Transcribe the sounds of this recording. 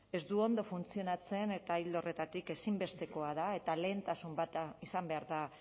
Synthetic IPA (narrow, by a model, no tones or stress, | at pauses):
e̞zd̪uo̞nd̪o̞funt͡sio̞nat͡se̞ne̞t̪aild̪o̞re̞t̪at̪ike̞simbe̞st̪e̞ko̞að̞ae̞t̪ale̞ːnt̪asumbat̪aisambe̞aɾða